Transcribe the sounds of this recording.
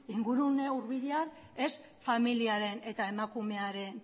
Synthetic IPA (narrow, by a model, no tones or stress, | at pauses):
iŋɡuɾuneuɾβiðear | e̞s | familiaɾe̞ne̞t̪ae̞makume̞aɾe̞n